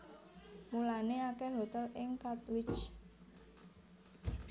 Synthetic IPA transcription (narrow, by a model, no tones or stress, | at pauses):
mulaneakɛɦot̪ɛlʔɪŋkat̪wɪt͡ʃ